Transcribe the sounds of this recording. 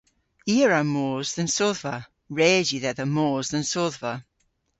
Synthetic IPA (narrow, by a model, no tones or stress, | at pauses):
iːəɹamoːzðə̃nsoðvə | ɹɛːd͡ʒiðɛðəmoːzðə̃nsoðvə